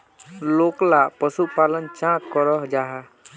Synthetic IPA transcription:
loklapəsupalənt͡ʃãkːɔɾɔɦd͡ʒaɦɛ

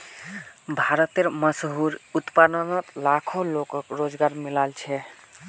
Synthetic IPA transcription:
bʱaɾət̪eɾməsɦuɾut̪pad̪ənɔt̪lakʰolokɔkɾod͡ʒɡaɾmilalt͡ʃʰɛ

